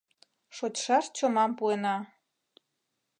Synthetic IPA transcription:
ʃot͡ɕʃɑʃt͡ɕomɑmpuenɑ

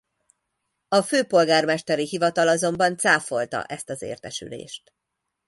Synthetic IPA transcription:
ɒføːpo̞lɡaːrmɛʃt̪ɛɾiɦivɒt̪ɒlɒzo̞mbɒnt̪saːfo̞lt̪ɒ̰ʔɛst̪ɒzḛːrt̪ɛʃy̰lḛːʃt̪

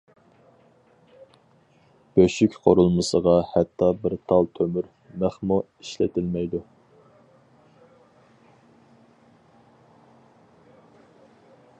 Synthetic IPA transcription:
b̥øʃykʲqʰoɾulˠmɨsəʁɑhɛt̪ʰːɑbɪɾt̪ʰɑlˠt̪ʰømyɾ | mæχmu | iʃlɪ̰t̪ʰɪlmɛjd̪u

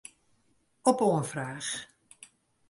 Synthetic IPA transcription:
ɔpoːənfraːs

